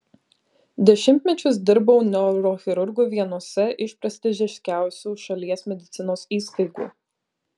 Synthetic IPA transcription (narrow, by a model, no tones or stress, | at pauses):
d̪ʲɛʃʲɪmʲt̪ʲmʲɛt͡ʃʲʊs̬d̪ʲɪɾbɔʊnʲɛɾoxʲɪɾʊɾɡoːʋʲiɛnuɔsʲɛʔɪʃpʲɾʲɐsʲt̪ʲɪʒʲɛʃʲkʲæˑʊsʲuːʃɐlʲiɛsmʲɛd̪ʲɪt̪sʲɪnoːsiːst̪ɐɪɡṵː